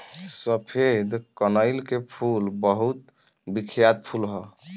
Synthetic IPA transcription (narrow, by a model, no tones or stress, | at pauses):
səpʰed̪kənəɪlkepʰulbəɦut̪ | bikʰjad̪̚pʰulɦɔ